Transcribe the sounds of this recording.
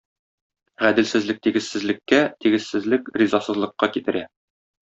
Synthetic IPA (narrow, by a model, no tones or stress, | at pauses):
ʁæd̪ɘ̆lsɘ̆zlɘk̚t̪iɡɘ̆ssɘ̆zlɘ̆kːæt̪iɡɘ̆ssɘ̆zlɘkrʲizɑsɤ̆zlˠɤ̆qːɑkit̪ɘ̆ɾæ